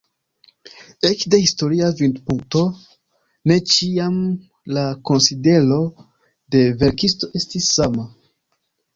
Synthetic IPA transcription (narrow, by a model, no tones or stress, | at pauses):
e̞t͡ʃde̞histo̞ɾiavindpuŋk̚to̞ | ne̞t͡ʃiam | lako̞nside̞ɾo̞ | de̞ve̞ɾkisto̞ʔe̞stisːama